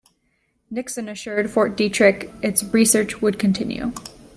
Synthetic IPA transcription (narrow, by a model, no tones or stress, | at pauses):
nɪksɨ̃nɨʃʊɹd̥fɔɹt̚d̥itʰɹ̥ɪkɨtsɹisɜ˞t͡ʃwəd̚kʰɨ̃n̩tʰɪ̰̃njʉ̰